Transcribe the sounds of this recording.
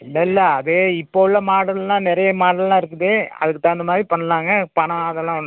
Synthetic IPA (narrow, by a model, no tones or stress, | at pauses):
ɪlːɐɪlːɐːðeːɪpːoʋɪɭːɐmaːɽɐlãːnɪɾɐjɐmaːɽɐllːãːɪɾɯkːɯðeɐ̰ðɯkːɯt̪ːãːɪnd̪ɐmaːdɾipɐɳːɐlaːŋɡɐpɐɳɐ̃ːɐðɛlːãːɐnː